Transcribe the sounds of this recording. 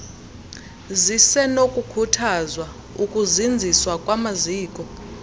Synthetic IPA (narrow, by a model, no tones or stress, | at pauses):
zisɛnokʼukʰutʰazwa | ukʼuzind͡zʱiswakʼwamaziːkʼɔ